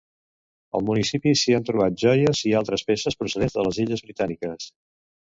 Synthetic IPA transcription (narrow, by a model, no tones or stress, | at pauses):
ə̰lˠmunisipisiant̪ɾuβ̞at̪̚ʒɔjəzialˠt̪ɾəspesəspɾusəðenzðələziʎəzβɾit̪anikəs